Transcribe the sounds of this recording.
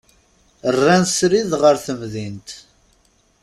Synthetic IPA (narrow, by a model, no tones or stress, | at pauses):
ərːænsɾiðʁəɾθəmðint̪